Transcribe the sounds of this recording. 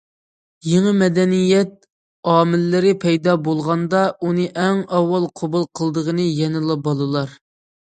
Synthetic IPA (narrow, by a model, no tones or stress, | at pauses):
jeŋəmɛd̪ɛnijɛt̪̚ | ɑːmɪlːɪɾɪpʰɛjd̪ɑbolˠʁɑnd̪ɑunɨʔɛŋɑwːɑlˠqʰobulˠqʰəlˠd̪əʁənɨjɛnɨlˠɑbɑlˠɨlˠɑɾ